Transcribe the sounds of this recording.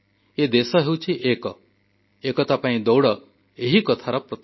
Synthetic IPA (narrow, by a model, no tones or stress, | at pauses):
ed̪esɔɦewt͡ʃʰiʔekɔ | ekɔt̪apaĩd̪ɔwɽɔ | eɦikɔt̪ʰaɾɔpɾɔt̪